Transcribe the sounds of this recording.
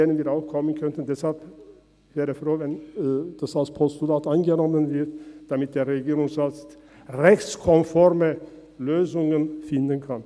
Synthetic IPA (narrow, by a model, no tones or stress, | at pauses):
eːnənviːɾaʊxkʰɔmːənkʰœnt̪ən̩d̪ɛshalp | vɛːɾəfɾoːvɛnd̪̥asalspʰɔst̪ʊlaːt̪aɪnɡənɔmːənvɪɾt̪d̪̥ɑmɪt̪̚d̪eːɾɛɡiːɾʊŋsat͡st̪ | ʁɛçskʰɔmfɔɾmə | løːzʊŋənfɪnd̪ənkʰɑn